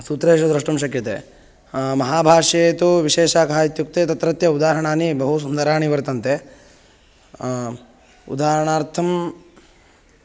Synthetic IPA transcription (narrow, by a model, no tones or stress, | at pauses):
suːt̪ɾeːʃɐd̪ɾɐʂʈɐmʃ̬ɐkjɐt̪ḛ | mɐɦaːbʱaːʂeːt̪uʋiʃeːʃaːkʰaːjit̪juk̚t̪et̪ɐt̪ɾɐt̪jɐud̪aːɦɐɳaːnibɐɦus̬und̪ɐɾaːɳiʋɐɾt̪ɐnt̪e | ṵd̪aːɾɐɳaːɾt̪ʰɐm